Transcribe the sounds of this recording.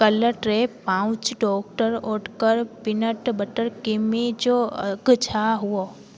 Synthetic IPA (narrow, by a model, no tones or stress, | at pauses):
kɐləɾʈɾepãːʊ̃t͡ʃɖɔːk̚ʈəɾoːʈkəɾpɪnəʈbəʈəɾkɪmid͡ʒoɐɡt͡ʃʰaɦuo